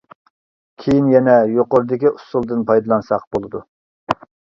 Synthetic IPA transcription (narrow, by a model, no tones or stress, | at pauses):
kʲʰejinjɛnɛjoqoɾd̪ɪkʲiʔusulˠd̪ɨnpɑjd̪ɨlˠɑnsɑq̚bolˠɨd̪u